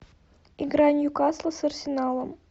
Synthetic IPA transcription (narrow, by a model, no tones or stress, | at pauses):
iɡɾɑnʲjukɑslˠəsɐrsʲɪnɑlˠə̆m